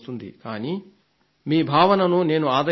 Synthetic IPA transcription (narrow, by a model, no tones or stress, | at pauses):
t̪und̪ḭkaːni | miːbʱaːʋɐnɐnune̞ːnuaːd̪ɐ